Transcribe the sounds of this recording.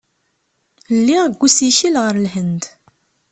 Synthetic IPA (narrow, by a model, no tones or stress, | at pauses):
lːiʁɡʷːusiçilʁəɾlɦənd̪